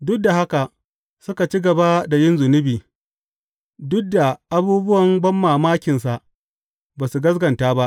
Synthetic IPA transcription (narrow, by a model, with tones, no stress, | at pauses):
dʊ˦k̚da˨ha˦ka˨ | sʊ˦ka˨t͡ʃi˦ɡɐ˨ba˦da˨jɪ˦nzʊ˨nɪ˦biː˨ | dʊ˦k̚da˨ʔa˦buː˦bʊ˦wɐ˨mbɐ˦mːaː˨maː˦kʲɪ˨ns̬a˨ʔ | baː˨su˨ɡɐ˦s̬ɡɐ˨ntaː˦ba˦ʔ